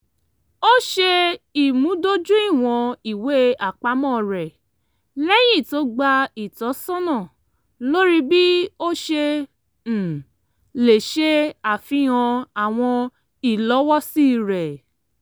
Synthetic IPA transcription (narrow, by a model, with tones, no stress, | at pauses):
o˦ʃe˧i˨mũ˨˦do˦d͡ʒũ˦i˦˨w̃ɔ̃˧i˨we˨˦a˨k͡pa˨˦mɔ̃˦˨ɾɛ˨ | lɛ˦j̃ĩ˦˨to˦ɡ͡ba˧i˨tɔ˨˦sɔ̃˦nã˦˨ | lo˦ɾi˦bi˦o˦ʃẽ˧˨ | le˨ʃe˦a˨fĩ˦ɔ̃˧a˨w̃ɔ̃˧ | i˨lɔ˨˦wɔ˦si˦˨ɾɛ˨